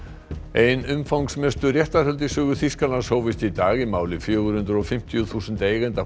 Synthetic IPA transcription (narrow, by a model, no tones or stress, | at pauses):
ejnʏmfawŋksmɛst̪ʏrjɛht̪ahœlt̪ɪsʏːɣʏθiskalanshoːwvɪst̪it̪aːɣimaːwlɪfjœːɣʏɾ̥hʏnt̪ɾʏɔfɪm̥t̪ijʏθuːsɛnt̪eːjɣɛnt̪a